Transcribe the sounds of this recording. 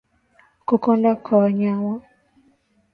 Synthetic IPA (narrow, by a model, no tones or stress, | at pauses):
kokɔndakʰɔaɲawa